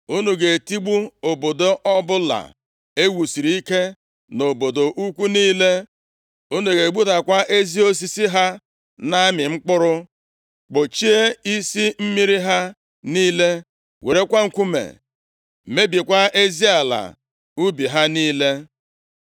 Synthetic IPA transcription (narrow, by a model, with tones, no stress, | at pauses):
u˦nu˨ɡe˨ti˦ɡ͡bu˦o˨bo˨do˨ʔɔ˦bʊ˦la̰˨ | e˦wu˨si˨ɾi˨i˦ke˦ | no˨bo˨do˨ʔu˦kʷu˦niː˦le˦ | u˦nu˨ɡe˨ɡ͡bu˦ta˨kʷa˦ʔe˦zi˦o˦s̬i˦si˦ɦa˦ | na˦mɪ˨ŋ͡m̩˦k͡pʊ˦ɾʊ˦ | k͡pʊ˨t͡ʃi˦e˦i˦si˦m̩˦mi˦ɾi˦ɦa˦ | niː˦le˦ | we˨ɾe˦kʷa˦ŋ̩˦˨kʷu˦mḛ˨ | me˦bi˨kʷa˦e˦zi˦a˨la̰˨ | u˦bi˨ɦa˦niː˦le˦